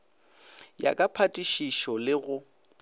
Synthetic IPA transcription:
ja̰kʼapʰatʼiʃiʃɔlɪɣʊ

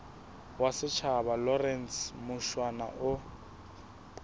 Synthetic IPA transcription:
wasɪt͡ʃʰabalɔrɛnsmʊʃwana̰ʔʊ

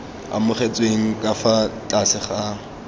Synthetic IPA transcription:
a̰mʊχet͡sʼweŋ̩kʼafat͡ɬʼasɪχa

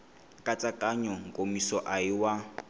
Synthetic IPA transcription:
kʼat͡sʼakʼaɲɔŋkʼomisɔʔaiwa

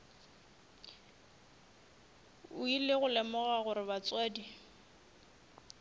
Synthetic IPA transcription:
ʊileɣʊlɛmɔɣaɣʊɾɪβat͡sʼwɛːdi

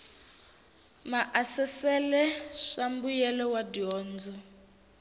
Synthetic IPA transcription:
maʔasɛsɛlɛʂambujɛlɛwadiɔːnd͡zɔ

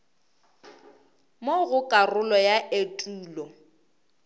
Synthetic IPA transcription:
moɣʊkʼarʊlɔjaʔetʼuːlɔ

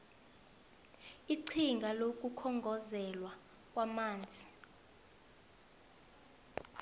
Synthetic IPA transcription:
iǀʰiŋɡʱalok̬ʼukʰɔŋɡʱɔzɛlwa | k̬ʼwamaːnd͡zʱi

